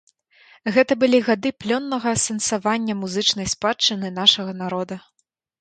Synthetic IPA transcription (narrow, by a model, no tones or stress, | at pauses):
ɣɛt̪ɐbɨlʲiɣad̪ɨplʲɔnːɐɣɐsɐnsavanʲːɐmuzɨt͡ʂnɐjspat͡ʂːɨnɨnaʂɐɣɐnaɾɔd̪ɐ